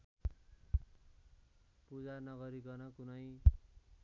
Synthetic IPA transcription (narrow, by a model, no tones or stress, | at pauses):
pud͡zanʌɡʌɾiɡʌrnʌkunʌj